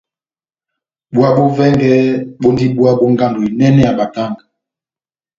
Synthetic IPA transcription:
ɓu˦a˦ɓo˦vɛ˦ŋɡɛ˦ɓo˦ndi˦ɓu˦a˦ɓo˦ŋɡa˦ndo˨i˨nɛ˦nɛ˦ja˨ɓa˨ta˦˨ŋɡ

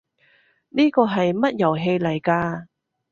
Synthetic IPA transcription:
niː˥kɔː˧ɦɐ˨jmɐ˥t̚jɐ˨˩wɦe˧jlɐ˨˩jkaː˧

